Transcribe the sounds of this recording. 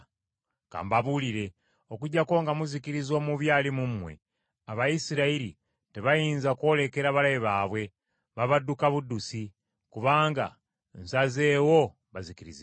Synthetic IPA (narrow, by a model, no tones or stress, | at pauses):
ka̰ːmbaβuliɾe̞ | o̞kuɟako̞ŋɡamuzikiɾizo̞muβjaːlimumwe̞̰ | aβajisiɾaiɾḭ | teβajiːnzakwo̞ːle̞ke̞ɾaβalajiβaβwe̞ | βaβadukaβudusi | kuβaːŋɡa̰ | nsaze̞ːwo̞ | βazikiɾḭzi